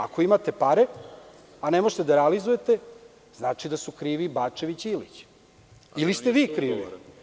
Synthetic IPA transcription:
a̰ko̞imat̪e̞paɾe̞ | anemo̞ʒet̪ed̪aɾealizujet̪e̞ | z̥naːt͡ʃid̪asukɾiːʋibaːt͡ʂe̞ʋit͡ɕilḭt͡ɕ | ilist̪eʋiːkɾiːʋḭ

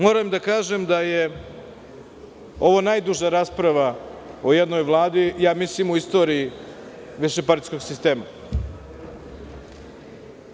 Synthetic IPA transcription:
moːɾamd̪akaːʒemd̪aje̞ | o̞ʋo̞najd̪uʒaɾaːspɾaʋaojed̪no̞jvlˠaːd̪ijaːmislimuist̪o̞ːɾii | ʋiʃepaɾt̪isko̞ɡsist̪e̞ːma

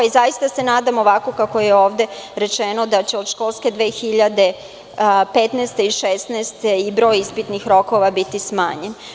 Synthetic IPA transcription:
izajist̪ase̞naːd̪amoʋako̞kakojeo̞ːʋd̪e̞ɾe̞t͡ʃeno̞d̪at͡ɕeo̞d̪ʃko̞ːlˠske̞d̪ʋe̞ːxiʎad̪e̞ | pet̪nest̪eiʃest̪nɛːst̪eibɾo̞ːjispit̪nixɾo̞ko̞ʋabit̪isma̰ːɲen

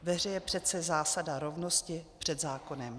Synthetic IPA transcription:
vɛrɛjɛpr̝̥ɛt̪t͡sɛzaːsadaɾo̞vno̞scɪpr̝̥ɛd̪zaːko̞nɛm

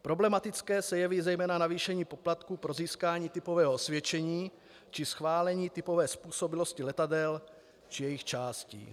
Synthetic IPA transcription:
pɾo̞blɛmat̪ɪt͡skɛːsɛjɛviːzɛjmɛːnanaviːʃɛɲiːpo̞plat̪kuːpɾo̞ziːskaːɲiːt̪ɪpo̞vɛːɦoosvjɛt͡ʃɛɲiː | t͡ʃɪsxvaːlɛɲiːt̪ɪpo̞vɛːspuːso̞bɪlo̞scɪlɛt̪adɛl | t͡ʃɪjɛjɪxt͡ʃaːscḭː

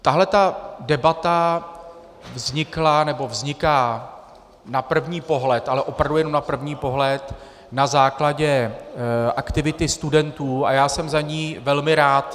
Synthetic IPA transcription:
t̪aɦlɛt̪adɛbat̪a | vzɲɪklanɛbo̞vzɲɪkaː | napr̩vɲiːpo̞ɦlɛt̪ʔalɛʔo̞pɾavdujɛnomnapr̩vɲiːpo̞ɦlɛt̪ | nazaːklaɟɛ | ʔakt̪ɪvɪt̪ɪst̪udɛnt̪uːajaːsɛmzaɲiːvɛlmɪɾaːt̪

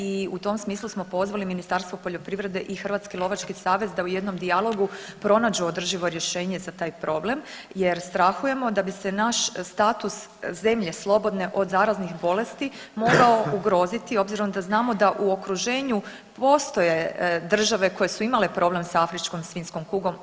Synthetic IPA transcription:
iut̪o̞msmiːslˠusmo̞po̞zʋaliminist̪aɾst̪ʋopo̞ʎo̞pɾiːʋɾe̞d̪e̞ʔixr̩ʋaːt̪skilˠo̞ʋat͡ʃkisaːʋe̞zd̪aujed̪no̞md̪ialˠo̞ɡupɾo̞nad͡ʑuod̪r̩ʒiʋo̞ɾje̞ʃe̞ːɲe̞zat̪aːjpɾo̞ble̞m | jeɾst̪ɾaxuje̞mo̞d̪abise̞naʃst̪aːt̪us | ze̞mʎe̞slˠo̞bo̞d̪ne̞ʔo̞d̪zaːɾaznixbo̞le̞st̪imo̞ɡao̞uɡɾo̞ːzit̪io̞bziɾo̞nd̪aznaːmo̞d̪aʔuo̞kɾuʒe̞ːɲu | po̞ːst̪o̞je̞d̪r̩ʒaʋe̞ko̞jesuimalepɾo̞ble̞msaafɾit͡ʃko̞msʋinsko̞mkuːɡo̞m

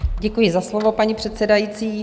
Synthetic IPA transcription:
ɟɛkujɪzaslovo̞paɲipr̝̥ɛt̪sɛdajit͡siː

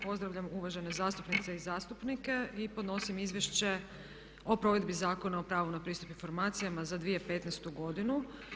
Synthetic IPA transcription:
po̞zd̪ɾaʋʎamuʋaʒenezaːst̪upnit̪seizaːst̪upnike̞ipo̞d̪no̞simizʋjeʃt͡ɕe̞ | o̞pɾo̞ʋe̞d̪bizaːko̞nao̞pɾaːʋunapɾiːst̪upiɱfo̞ɾmaːt̪sijamazad̪ʋije̞pe̞t̪nest̪uɡo̞d̪inu

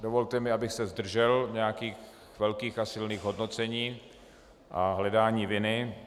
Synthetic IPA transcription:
dovo̞lt̪ɛmɪabɪxsɛzd̪r̩ʒɛlɲɛjakiːx | vɛlkiːxasɪlniːɣɦo̞dno̞t͡sɛɲiː | ʔaɦlɛdaːɲiːvɪnɪ

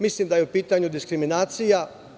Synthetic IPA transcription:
mislimd̪ajeupiːt̪aɲud̪iskɾiminaːt̪sija

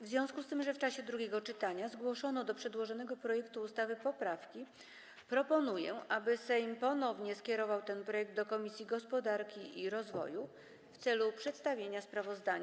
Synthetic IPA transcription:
vzʲjɔ̃w̃skust̪ɘmʐɛft͡ʂaɕɛd̪ɾuɡʲɛɡɔt͡ʂɘt̪aɲazɡwɔʂɔnɔd̪ɔpʂɛd̪wɔʐɔnɛɡɔpɾɔjɛkt̪uːst̪avɘpɔpɾafkʲi | pɾɔpɔnujɛ̰ʔabɘsɛjmpɔnɔvɲɛskʲɛɾɔvawt̪ɛnpɾɔjɛɡ̚d̪d̪ɔkɔmʲisʲjiɡɔspɔd̪aɾkʲiʔiɾɔzvɔ̰ju | ft̪sɛlupʂɛt̪st̪avʲjeɲaspɾavɔzd̪aɲa

